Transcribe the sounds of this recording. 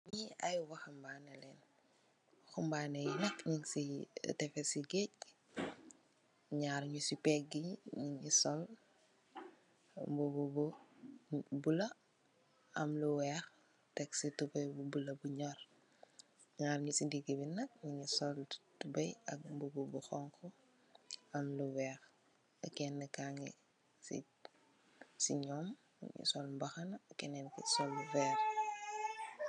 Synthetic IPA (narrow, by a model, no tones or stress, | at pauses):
ɲiɐjwɐxɐmbaːnɐlɛːn | xumbanɐjinɐkɲiŋsḭtɛfɛsiɡɛc̚ | ɲaɾɲusipɛɡiɲiŋisɔl | mbububɔ | bulɐ | ɐmluwɛx | tɛksitubɐjbubulɐbuɲɔr | ŋaɾɲisidiɡibinɐk̚ɲiɲusɔltubɐjɐ̰k̚mbububuxɔŋkɔ | ɐmluwɛːx | ɐkɛnːəkaŋɛ | sḭ | siɲɔːm̰ | ɲṵsɔlmbɐxɐnɐkɛnɛnkisɔlvɛːɾ